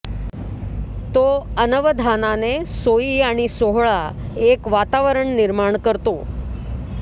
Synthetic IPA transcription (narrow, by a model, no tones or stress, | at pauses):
t̪oənəʋəd̪ʱananesojiːaɽ̃isoɦɭaekʋat̪aʋəɾəɳniɾmaɳkəɾt̪o